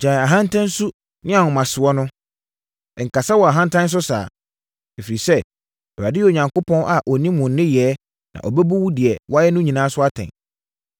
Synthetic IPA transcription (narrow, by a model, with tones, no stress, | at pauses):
d͡ʑaː˨a˨ɦã˦ntʰã˦n˦su˦ | nɪ̃˦a˨ʊ˨mã˨sɪ˨ɔ˦nʊ̃˦˨ | ŋ̩˨kʰa˨sa˦wɔ˨a˨ɦã˦ntʰã˦n̩˦s̬ʊ˦sa̰ː˨ | ɛ˨fi˨ɾi˨sɛ˦ | ɛ˨a˨dɪ˦jo˨ɲã˨ŋko˦pʰɔ̃˦nʔa˨ʔɔ˨nĩ˦mʊ̃˨n̩ː˦ɪ̃˦jɛː˨˦ | nã̰˨ʔɔ˨bɛ˦bu˦wu˦dɪ˨ɛ˨wɔ˦jɛ˦nʊ̃˦ɲĩ˨nãː˨˦sʊ˦a˦tʰɛ̰̃˨n